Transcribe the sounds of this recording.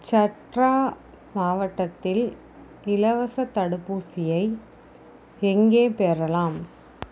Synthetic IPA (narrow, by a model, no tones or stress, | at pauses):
t͡ʃɐʈraː | maːʋɐʈːɐt̪ːɪl | ɪlɐʋɐsɐt̪ːɐɽɯpːuːsɪjɐɪ | ɛŋɡeːpeːɾɐlaːm